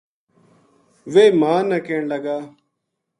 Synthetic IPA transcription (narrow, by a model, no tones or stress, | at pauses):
ʋeːmãːnəkeːɳləɡaː